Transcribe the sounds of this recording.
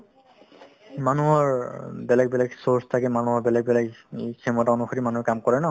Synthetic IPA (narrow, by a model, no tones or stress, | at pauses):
manuɦɔɹbɛlɛɡ̚bɛlɛɡsoɹstʰakɛmanuɦɔɹbɛlɛɡ̚bɛlɛɡkʰɛmɔtaonuxoɹimanuɦɛkamkɔɹɛnɔ